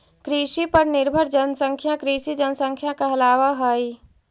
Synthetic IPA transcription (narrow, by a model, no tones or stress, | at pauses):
kɾiʃipəɾnɪɾbʱəɾd͡ʒənsə̃ŋkʰjãkɾiʃid͡ʒənsə̃ŋkʰjãkaɐlaːʋaɦoi